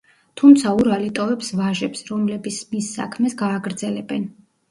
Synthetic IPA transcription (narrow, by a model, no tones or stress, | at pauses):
t̪ʰumt̪sʰauɾalit̪ʼɔvɛpsvaʒɛpsɾɔmlɛbisʰmisːa̰kʰmɛsɡaːɡɾd̪zɛlɛbɛn